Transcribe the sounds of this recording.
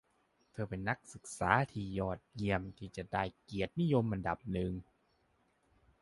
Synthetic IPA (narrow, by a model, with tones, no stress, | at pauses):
t̪ʰɤː˧˩pe˧nːa˦˥k̚sɯ˨˩k̚saː˩˦t̪ʰiː˧˩jɔː˨˩t̪̚ji˧˩əmt̪ʰiː˧˩t͡ɕa˨˩daː˧˩jki˨˩ət̪̚ni˦˥˨jo˧mʔa˧nda˨˩p̚nɯ˨˩ŋ